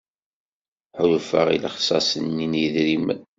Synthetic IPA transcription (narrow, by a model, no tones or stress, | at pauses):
ħʊjufə̰ʁḭləχsɑsənːiniðɾimə̰n